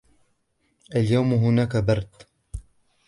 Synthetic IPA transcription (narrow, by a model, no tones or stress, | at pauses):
ʔaljawmɦʊnaːkabɑɾˤd̪